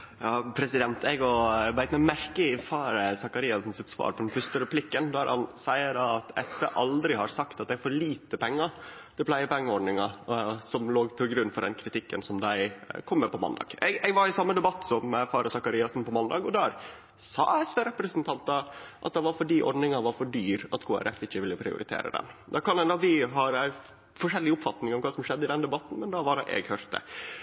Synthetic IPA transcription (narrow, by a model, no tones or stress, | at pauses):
jɑːpʰɾɛsɪd̪ɛnt̪ɛɡɔʋæɪt̪mɛmæɾkəfɑːɾəsɑkɑɾiːɑsn̩sɪt̪sʋɑ̰ːɾpʰɔd̪ɛnfœɾʂtəɾɛpʰlɪkːənd̪æɾhɑ̰nsæɪəɖɑɑt̪ʰɛ̰sʋḛːʔɑld̪ɾɪhɑɾsɑkt̪ɑt̪̚d̪æɪfɔɾɭiːt̪əpɛŋːɑ | d̪̥ɛpʰlæɪəpɛŋːəɔɖ̪nɪŋɑsɔmloːɡt̪ʰɪlɡɾʉnːfɔɖɛ̰nkʰɾɪt̪ɪkːənsɔmd̪æɪkʰɔmːəpʰɔmɑ̰nd̪ɑ̰ːɡ̥ɛɡɛɡʋɑɾɪsɑmːəd̪ɛbɑt̪ːsɔmfɑːɾɑsɑkɑɾiːɑsn̩pɔmɑnd̪ɑːɡɔd̪æɾ | sɑ̰ːɛsʋeːɾɛpɾəsənt̪ʰɑnt̪ɑʔɑt̪̚d̪ɛʋɑɾfɔɖiːʔɔ̰ɾɖ̪nɪŋɑʋɑɾfɔɖyːɾɑt̪kʰoːæ̰ɾɛfɪçːəʋɪlːəpʰɾɪ̰ʊ̰ɾɪt̪ʰḛːɾə̰d̪ɛ̰nd̪ɑkʰɑnɛnɑt̪ʋɪɦɑɾæɪ | fɔʂɛlːɪʊpfɑt̪nɪŋɔmkʰɑːsɔmʂɛd̪ːəɪd̪ɛnd̪ɛbɑt̪n̩mɛnd̪ɑʋɑɾʔɛ̰ɡhœɾt̪̚d̪ə̰